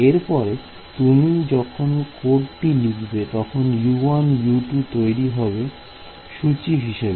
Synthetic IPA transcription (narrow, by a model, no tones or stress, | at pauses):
eɾpɔɾe | t̪unid͡ʑɔkʰonkoɖʈilikʰbet̪ɔkʰonjuanjuʈut̪ojɾiɦɔbe | ʃut͡ɕiɦiʃebe